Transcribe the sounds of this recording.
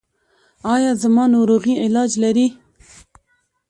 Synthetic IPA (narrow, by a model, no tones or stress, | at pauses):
ɑjɑzamɑnoɾoɣiɪlɑd͡ʒlaɾi